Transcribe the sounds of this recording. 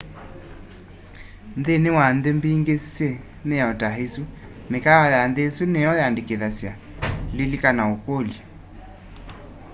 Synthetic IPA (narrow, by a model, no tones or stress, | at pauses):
nðenewanðembiŋɡesje | meɔtaɦesu | mekaajanðesunɛɔjandekeðasja | lilikanaokolja